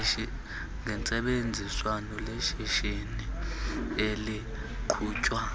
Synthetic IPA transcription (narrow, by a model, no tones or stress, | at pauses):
ŋɛnt͡sʼɛɓend͡zʱiswanɔleʃiʃini | eli | kʰuːt͡ʃʼwa